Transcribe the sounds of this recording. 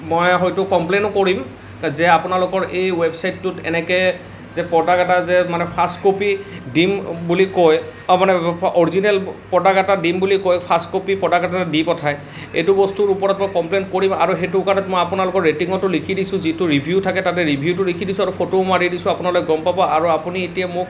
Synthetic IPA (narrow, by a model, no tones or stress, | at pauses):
mojɦojtʊkɔmplenʊkoɹim | zɛapʊnalʊkɔɹʔejwebsajtːʊtɛ̰nɛkɛj | zɛpɔdaɡatazɛmanɛpʰaskopidimbulikojmanɛɔɹizinɛlpɔdaɡatadimbulikɔjpʰaskopipɔdaɡatadipɔtʰaj | ḛjtʊbɔstuɹupɔɹatmɔjkɔmplenkoɹimaɹuɦetukanɛtmɔjapʊnalʊkɔɹɹetiŋɔtʊlikʰidisʊ̃zitʊɹibʱjutʰakɛtatɛɹibʱjutʊlikʰidisũaɹupʰotoʊmaɹidisʊ̃apʊnaloɡɔmpabɔʔaɹuapunietiamʊ